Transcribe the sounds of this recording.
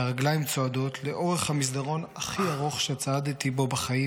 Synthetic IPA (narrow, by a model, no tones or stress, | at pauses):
aʁaɡlajimt͡soad̪o̞tʰle̞ʔo̞ʁe̞χhamis̬d̪aʁo̞naχiaʁoχʃeat͡saad̪tibo̞baχai